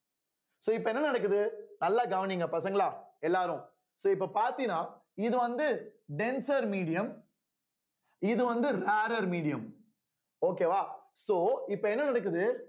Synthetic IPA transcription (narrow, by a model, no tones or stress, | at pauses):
soːɪpːɐɛnːɐnɐɽɐkːɯðɯnɐlːaɡɐʋɐnɪŋɡɐpɐsɐŋɡɐɭaːɛlːaːɾʊ̃ | soːɪpːɐpaːɾt̪inaː | ɪðɯʋɐnd̪ɯɖɛnsɐɾmiːɽɪjɐm | ɪðɯʋɐnd̪ɯɾaːɾɐɾmiːɽɪjɐm | oːkːeːʋaːsoːɪpːɐɛnːɐnɐɽɐk̬ːɯðɯ